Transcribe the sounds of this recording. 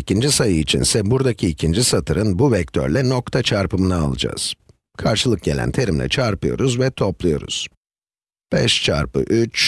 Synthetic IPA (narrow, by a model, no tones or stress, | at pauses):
icʰind͡ʒisajɯit͡ʃʰḭnsɛbuɾd̪acʰiːcʰind͡ʒisat̪ʰɯɾɯnbuvɛc̚t̪ʰø̰ɾlʲɛno̞kt̪ʰat͡ʃʰaɾpɯmɯnaalˠɯd͡ʒa̰ːz̥ | kʰaɾʃɯlˠɯk̚ɟelʲæ̰nt̪ʰe̞ɾimlʲɛ̰t͡ʃʰaɾpɯjo̞̰ɾuzvɛt̪ʰo̞plˠujo̞̰ɾṵz̥ | b̥ɛ̰ʃt͡ʃʰa̰ɾpɯ̰ʔyt͡ʃ